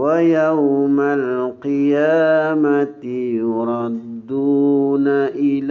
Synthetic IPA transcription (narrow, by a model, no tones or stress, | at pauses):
wajawmalqɨjaːmat̪ɪjʊɾˤɑd̪ːuːnaʔɪl